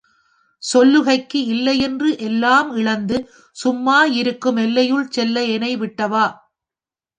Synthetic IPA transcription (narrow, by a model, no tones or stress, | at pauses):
sɔlːɯɣɐɪkːɯɪlːɐjɛndrɯʔɛlːaːmɪɭɐnd̪ɯ | sʊmːaːɪɾɯkːɯmɛlːɐjɯɭsɛlːɐɛnɐɪʋɪʈːɐʋaː